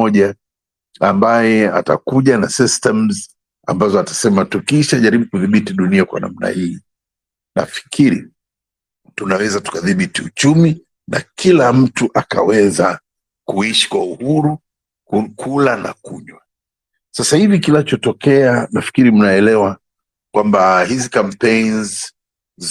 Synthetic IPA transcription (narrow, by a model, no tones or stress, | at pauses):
ɔʄa | ambajɛa̰ta̰kuʄanasistɛmz | a̰mbazɔatḁsɛmatukiʃaʄaɾiɓukuðiɓitiɗuniakwa̰na̰m̩na̰hiː | na̰fi̥kʰiɾḭ | tunawɛzatu̥kaðiɓitiut͡ʃumi | na̰kʰilam̩tuʔaka̰wɛza | kuiʃi̥kwauhuɾu | kʰulana̰kuʄwa | sasahivikinat͡ʃɔtɔkɛanafi̥kiɾim̩naɛlɛwa | kwambahizikampejnz